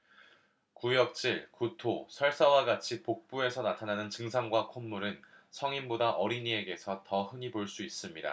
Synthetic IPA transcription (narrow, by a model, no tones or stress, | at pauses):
kujʌk̚t͡ɕ͈iɭkutʰosʰʌɭs͈ʌwaɡat͡ɕʰipok̚p͈ue̞sʰʌnatʰananɯnt͡ɕɯŋsʰaŋɡwakʰomːuɾɯnsʰʌŋimbodaʔʌɾiɲie̞ɡe̞sʰʌtʌɦɯɲiboɭs͈uis͈ɯmɲida̰